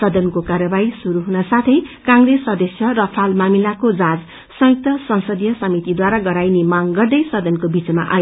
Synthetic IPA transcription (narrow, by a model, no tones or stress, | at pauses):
sʌd̪ʌnkokarjʌbaɦisuɾuɦunasat̪ʰʌjkãŋresːʌd̪esjʌrʌpʰalmamilakod͡zãd͡z | sʌjuk̚t̪ʌsʌnsʌd̪ijʌsʌmit̪id̪waɾaɡʌɾajnemaŋɡʌrd̪ʌjsʌd̪ʌnkobid͡zma̰ʔa̰j